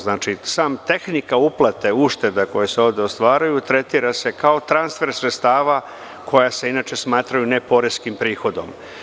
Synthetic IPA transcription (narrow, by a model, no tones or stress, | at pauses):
znaːt͡ʃisaːmt̪e̞xnikauplˠat̪e̞uʃt̪e̞d̪ako̞jeseo̞ːʋd̪eo̞st̪ʋaːɾajut̪ɾe̞t̪iɾase̞kao̞t̪ɾanst̪fe̞ɾsɾet̪st̪aːʋa | kʰo̞jase̞inat͡ʃe̞smaːt̪ɾajunepo̞ɾeskimpɾiːxo̞d̪o̞̰m